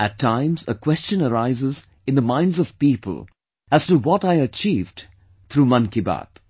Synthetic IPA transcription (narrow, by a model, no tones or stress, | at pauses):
ætʰːãɪ̃mzə̰kw̥ɛst͡ʃə̃nəɾaɪzɪz | ɨ̃nd̪əmãɪ̃ndzʌv̥pipə̰lˠ | æz̥tuwɔtaɪət͡ʃivd | t̪ʰɾumʌ̃nkiba̰t̪